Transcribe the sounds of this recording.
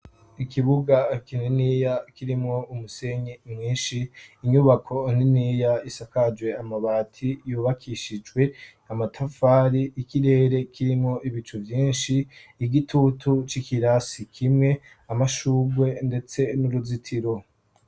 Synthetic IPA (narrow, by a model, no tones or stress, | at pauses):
ikʰiβuɡakininiːjakiɾimŋo̞umuse̞ɲemŋĩːnʃiːɲuβakʰo̞niniːjaisakad͡ʒwe̞amaβaːtʰijuːβakʰiʃid͡ʒɡwe̞ | amatʰafaːɾiʔikiɾe̞ːɾe̞kʰiɾimŋo̞ʔiβit͡ʃuvjiːnʃiːɡitʰutʰut͡ʃikiɾasikʰimŋe̞ | amaʃuːɡwe̞nde̞t͡se̞nuɾuzitʰiɾo̞